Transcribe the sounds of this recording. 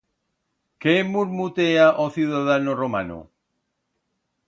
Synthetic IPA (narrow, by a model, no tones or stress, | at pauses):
kemuɾmut̪eaʔoθjuðaðanoroma̰no̰